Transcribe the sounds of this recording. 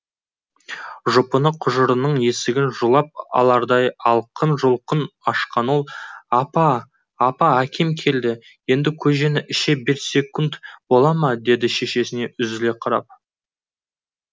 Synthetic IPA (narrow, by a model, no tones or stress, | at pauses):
ʒʊpənəqʰʊʒəɾənəɴje̞sɪɡʲɪnʒulˠɑp̚ɑ̰lˠɑɾd̪ɑjɑlˠqʰənʒʊlˠqənɑʃqɑno̞lˠɑpɑː | pɑækʲe̞mkʲʰe̞ld̪ɪ | je̞nd̪ɪkʲʰɵʒe̞nɪʔɪʃe̞bɪɾse̞kʊnt̪bo̞lˠɑmɑd̪e̞d̪ɪʃe̞ʃe̞sɪne̞ʔʏzɪle̞qʰɑɾɑ̰p̚